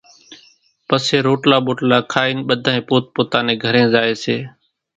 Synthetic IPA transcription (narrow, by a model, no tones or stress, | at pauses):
pəseːɾoːʈlaːɓoːʈlaːkʰaːiːnɓəd̪ʱaːẽːpoːt̪̚poːt̪aːneːɡʱəɾẽːzaːeːseː